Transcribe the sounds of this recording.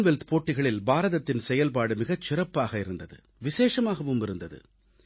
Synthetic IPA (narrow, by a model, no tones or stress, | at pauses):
nʋɛlt̪poːʈːɪɣɐɭɪlbaːɾɐðɐt̪ːɪnsɛjɐlp̬aːɽɯmɪɣɐt͡ʃːɪrɐpːaːɣɐɪɾɯnd̪ɐðɯ̰ | ʋɪseːʂɐmaːɣɐmʊmbɪɾɯnd̪ɐðɯ̰